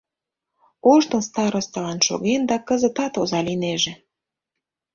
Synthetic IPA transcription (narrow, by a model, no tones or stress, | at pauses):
oʃt̪ə̆nst̪ɑɾost̪əlɑnʃo̰ɣend̪ɑkə̆zə̆t̪ɑt̪ozɑlineʒĕ